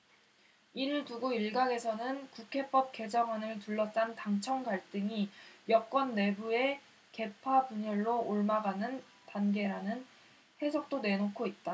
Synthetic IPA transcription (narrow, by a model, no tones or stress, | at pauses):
iɾɯɭtuɡoiɭɡaɡe̞sʰʌnɯnkukʰe̞p͈ʌp̚k͈e̞d͡ʑʌŋanɯɭtuɭːʌs͈antaŋt͡ɕʰʌŋɡaɭt͈ɯŋijʌk̚k͈wʌnːe̞bue̞ | ke̞pʰapuɲʌɭːoʔoɭmaɡanɯn | tanɡe̞ɾanɯn | he̞sʰok̚t͈one̞nokʰoit̚t͈a